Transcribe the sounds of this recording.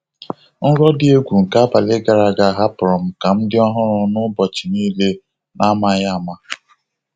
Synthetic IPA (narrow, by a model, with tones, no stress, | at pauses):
n̩˦ɾɔ˦dɪ˦e˦ɡʷu˨ŋ̩˨ka˦a˦ba˨lɪ˦ɡa˨ɾa˨ɡa˨ɦa˦pɾɔ˨m̩˨ka˨m̩˦dɪ˦ɔ˦ɦʊ˦ɾʊ˨nʊ˦bɔ˨t͡ʃi˨niː˦le˦ | nʔa˦ma˦ja˦˨ma˦